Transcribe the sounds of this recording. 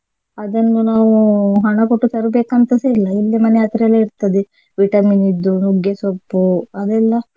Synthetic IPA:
ɐd̪ɐnːunaːʋuɦɐɳɐkoʈːut̪ɐɾubeːkɐnt̪ɐseilːɐilːimɐneɐt̪ɾɐlːeiɾt̪ɐd̪e | ʋiʈɐminid̪ːunuɡjesɐpːuɐd̪ɛlːɐ

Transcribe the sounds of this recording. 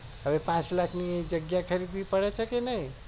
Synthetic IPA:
əbepãt͡ʃlakʰniẽd͡ʒəɡjakʰəɾid̪̚bʱipəɽɛt͡ʃʰəkenəj

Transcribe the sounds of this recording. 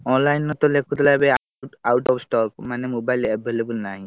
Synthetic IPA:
ɔnlajnɔt̪ɔlekʰut̪labɛa | awʈɔpsʈɔkmanemobajleb̚ʱelebulnaɦĩ

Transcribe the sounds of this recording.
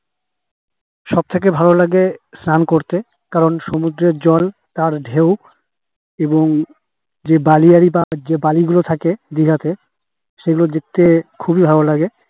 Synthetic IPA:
ʃɔb̚t̪ʰek̬ebʱalolaɡesnankoɾt̪e | kaɾonʃomud̪ɾeɾd͡ʑɔlt̪aɾɖʱew | eboŋ | d͡ʑebaliaɾibad͡ʑebaliɡulot̪ʰaked̪iɦat̪e | ʃeɡulod̪ek̚t̪ːekʰubibʱalolaɡe

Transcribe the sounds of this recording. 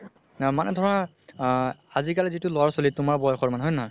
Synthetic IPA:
manɛdʱɔɹɔna | azikalɛzitʊlowaɹsolitʊmaɹbɔjɔxɔɹmanɛɦɔjnɔɦɔj

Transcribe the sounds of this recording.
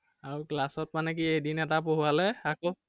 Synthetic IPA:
aɹuklasɔt̚manɛk̬iejdinɛtapoɦualɛako

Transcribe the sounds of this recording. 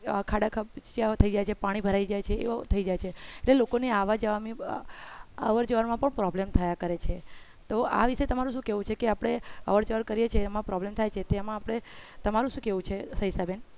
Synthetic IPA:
kʰaɽakʰət͡ʃt͡ʃat̪ʰəid͡ʒajt͡ʃʰepaɽ̃ibʱəɾaid͡ʒajt͡ʃʰeḛt̪ʰəid͡ʒajt͡ʃʰeːʈlelokoniaʋad͡ʒəʋami | əʋəɾd͡ʒəʋəɾmãpəɳpɾɔblemt̪ʰəjakəɾet͡ʃʰe | t̪oa̰ʋiʃet̪əmaɾũʃũkeʋũt͡ʃʰekeapəɽ̃eə̰ʋəɾd͡ʒəʋəɾkəɾijet͡ʃʰeəmãpɾɔblemt̪ʰajt͡ʃʰet̪eamãːpɽ̃et̪əmaɾũʃũkeʋũt͡ʃʰesəisaben

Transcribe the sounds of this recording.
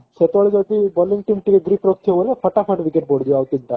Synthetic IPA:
set̪ʋaɭid͡ʑowt̪ibɔliŋɡʈimʈiʋeɡɾipɾok̚t̪ʰeʋolefəʈafʰəʈʋikeʈ̚boɽd̪ijawt̪int̪a

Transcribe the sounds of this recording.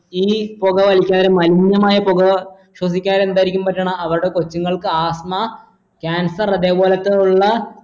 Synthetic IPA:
iːpoɣɐʋɐlikʲːaːðɾemɐliɲjɐmaːjɐpoɣɐ | ɕwɐs̬ikʲːaːɾe̞nd̪aːjiɾikʲːumpɐtːɐːɳɐɐʋɐɾuɽe̞kot͡ɕːuŋːɐɭkɨaːsma | kʲaːnsɐrɐðe̞ːbo̞ːlɐt̪ːeuɭːɐ

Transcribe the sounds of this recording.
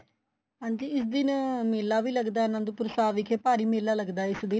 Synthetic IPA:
ɦãːɲd͡ʒiːɪsd̪ɪnmeːlːaːʋiːləɡd̪aːnãːnd̪uːpʊɾsaːʋɪkʰeːpaːɾiːmeːlaːləɡd̪aːɪsd̪ɪ

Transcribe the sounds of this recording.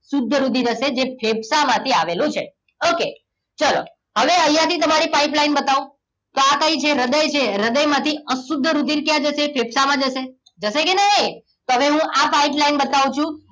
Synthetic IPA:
sʊd̪ʱːəɾud̪ʱiɾəʃed͡ʒepʰeb̚samãt̪ʰiaʋelũt͡ʃʰḛ | oke | t͡ʃəlo̰ | ɦəʋeəjjãt̪ʰit̪əmaɾipaiplainbət̪aũ | t̪oakəit͡ʃʰeɾəd̪əjt͡ʃʰeɾəd̪əjmãt̪ʰiəsud̪ʱːəɾud̪ʱiɾkjãd͡ʒəʃepʰebsamãd͡ʒəʃe | d͡ʒəʃekenəɦə | t̪oɦəʋeɦũʔapaiplainbət̪aʋũt͡ʃʰũ

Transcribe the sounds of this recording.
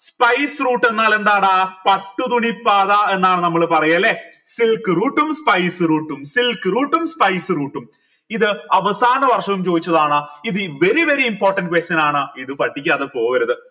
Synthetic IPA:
spɐjsruːʈːe̞nːaːle̞nd̪aːɽapɐʈːut̪uɳipːaːðɐenːaːɳɨnɐmːɐɭɨpɐrɐjɐlːesilkɨruːʈːumspɐjsɨruːʈːumsilkɨruːʈːumspɐjsɨruːʈːum | iðɨɐʋɐsaːnɐʋɐrʂɐʋumt͡ɕo̞ːd̪it͡ɕːɐðaːɳɨiðɨʋe̞ɾiʋe̞ɾiimpo̞ːrʈːɐnɖ̚ɨkwest͡ɕɐnaːɳɨiðɨpɐʈːikʲːðɨpo̞ːɣɐɾɐðɨ

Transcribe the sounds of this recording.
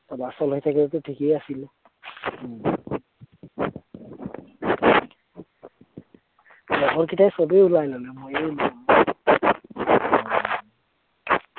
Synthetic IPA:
tɔlasɔlɦojtʰakɛlɛtʊtʰikejasilu | lɔɡɔɹkitajsɔbeulajlɔlɛmojelɔ

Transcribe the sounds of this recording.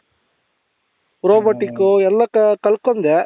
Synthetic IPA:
pɾoːbɐʈikoɛlːɐkkɐɭkond̪e

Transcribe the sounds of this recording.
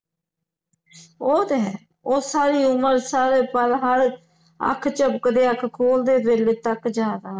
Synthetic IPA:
oːt̪eɦɛː | oːsaːɾiːʊməɾsaːɾeːpəlɦəɾ | ə̰kʰt͡ʃəbkd̪eːəkʰkʰoːld̪eːd̪ʋelet̪əkd͡ʒaːd̪aː

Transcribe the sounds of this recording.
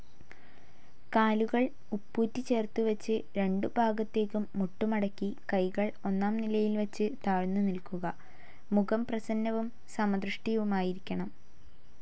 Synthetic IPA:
kaːluɣɐɭ | upːuːtːit͡ɕe̞ːrt̪uʋɐt͡ɕːɨɾe̞ɳɖubʱaːɡɐt̪ːe̞ːkːumːuʈːumɐɽɐkʲːikɐjɣɐɭo̞nːaːmnilɐjilʋɐt͡ɕːɨt̪aːɻnːunilkuɣɐ | muɣɐmprɐsɐnːɐʋum | samɐd̪rɨʂʈijɐʋumaːjiɾikʲːɐɳɐm

